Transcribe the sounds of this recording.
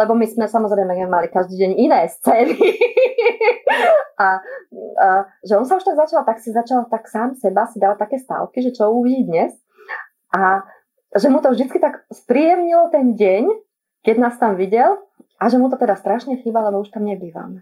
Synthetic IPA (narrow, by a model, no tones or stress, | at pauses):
lɛbɔmismɛsamɔzɾɛɪmɛmalikaʒd̪iːɟɛɲinɛːst͡sɛːnii | a | ʒɛɔnsauʃt̪aɡzat͡ʃalt̪aksizat͡ʃalt̪aksaːmsɛbasid̪alt̪akɛːst̪a̰lkiʒɛt͡ʃɔuʋiɟid̪ɲɛs | ʔa | ʒɛmut̪ɔvʒd̪it͡skit̪aɡspɾijɛmɲilɔt̪ɛnɟɛɲ | kɛɟnaːst̪amʋiɟɛl | aʒɛmut̪ɔt̪ɛd̪ast̪ɾaʃɲɛxiːbalɛbɔuʃt̪amɲɛbiːʋa̰mɛ